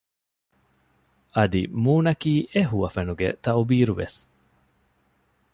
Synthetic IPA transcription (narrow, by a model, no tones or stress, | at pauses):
ʔɐd̪ḭmuːnɐkiːʔeɦuʋɐfenuɡḛt̪ɐubiːɾuʋḛs